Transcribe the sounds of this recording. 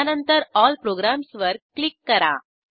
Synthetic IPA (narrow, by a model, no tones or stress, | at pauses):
ɐnɐnt̪ɐɾɔːlpɾoːɡɾaːmsʋɐɾklɪkːɐɾã̰ː